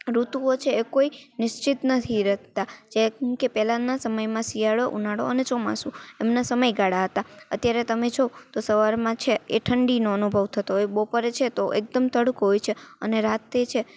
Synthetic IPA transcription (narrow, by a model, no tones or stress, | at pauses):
ɾut̪uot͡ʃʰeːkoinɪʃt͡ʃɪt̪nət̪ʰiɾəɦt̪ad͡ʒekepɛlãnasəməjmãsijaɭoʔunaɽo̰ənet͡ʃɔma̰suemnasəməjɡaɽaɦət̪aə̰t̪jaɾet̪əmed͡ʒʰot̪osəʋaɾmãt͡ʃʰeeʈʰəɳɖinoənubʱəʋt̪ʰət̪oebopəɾet͡ʃʰet̪oʔek̚d̪əmt̪əɽukɦɔjt͡ʃʰeəneɾat̪et͡ʃʰe